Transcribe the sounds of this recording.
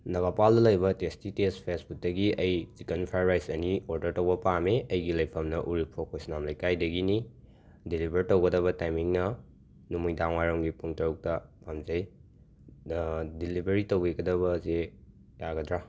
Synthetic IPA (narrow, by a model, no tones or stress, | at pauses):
nɐbapaldɐlɐjbɐtestitespʰesbut̚dɐɡiɐjzikɐnpʰajɾajsɐnioɾdɐɾtowbɐpameɐjɡilɐjpʰɐmnɐʔuɾipʰokosnamlɐjkajdɐɡini | dilibʱɐɾitowɡɐdɐβɐtajmiŋnɐ | numujdaŋwaɾɐŋɡipuŋtɐɾuk̚tɐpamzɐj | dilibʱeɾitoweɡɐdɐbɐze | jaɡɐdɾa